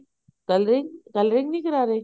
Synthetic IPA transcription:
kɐlɾiŋkɐlɾiŋɡnikɐɾaːɾe

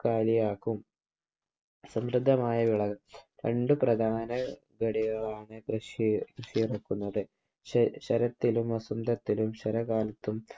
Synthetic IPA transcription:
kaːlijaːkːum | sɐmrɨd̪ʱːɐmaːjɐʋiɭɐɣɐmkɐɳɖuprɐd̪ʱaːnɐ | ɡɐɽiɣɐɭaːɳɨkrɨʂkrɨʂijirɐkːunːɐðɨ | ɕɐɾɐt̪ːilumʋɐsund̪ʱɐt̪ːilumɕɐɾɐɣaːlɐt̪ːum

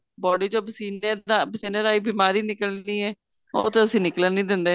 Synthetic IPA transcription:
bɔːɖiːd͡ʒoːbsiːneabsiːnəɾaːiːbiːmaːɾiːnɪkəliːɛː | o̰ːt̪eəsĩːnɪklənnĩːd̪ɪ̃nd̪eː

